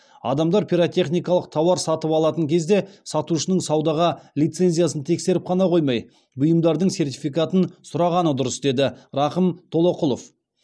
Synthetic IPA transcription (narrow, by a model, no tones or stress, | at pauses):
ɑ̰d̪ɑmd̪ɑɾpʰʲiɾot̪ʲe̞χnijkɑlˠəq̚t̪ʰɑwɑɾsɑt̪əpɑlˠɑt̪əŋkʲʰe̞zd̪e̞sɑt̪uʃənəɴsɑwd̪ɑʁɑlʲijt̪se̞nzʲijasənt̪ʰe̞kse̞ɾɪp̚qʰɑnɑqʰo̞jmɑj | bʊjəmd̪ɑɾd̪əɴse̞rt̪ʲifijkat̪ənsʊɾɑʁɑnəd̪ʊɾəsd̪e̞d̪ɪɾɑqəmt̪ʰo̞lˠo̞qʊlˠof